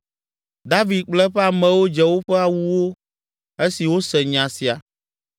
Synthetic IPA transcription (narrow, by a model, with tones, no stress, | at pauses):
d̪a˦vi˨d̪̚k͡plɛ˦ɸɛ˦a˨mɛ̃˨wo˦d͡ʒɛ˨wo˦ɸɛ˦a˨wu˦wo˦ | e˦si˨wo˦sɛ˨ɲã˨si˨a˨